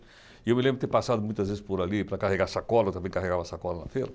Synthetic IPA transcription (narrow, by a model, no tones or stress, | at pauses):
ɪewmɪlẽmbɾɪt̪ẽpasad̪ʊmũj̃t̪ɐzvezɪspoɾalipɾɐkaɦeɡasakɔlɐt̪ɐ̃mbẽj̃kaɦeɡavɐsakɔlɐnɐfeɾɐ